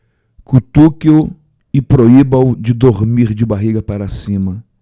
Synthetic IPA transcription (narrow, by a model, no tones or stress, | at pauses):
kut̪ukio | ɪpɾoibawd͡ʒɪd̪oɾmiɾd͡ʒɪbaɦiɡɐpaɾasĩmɐ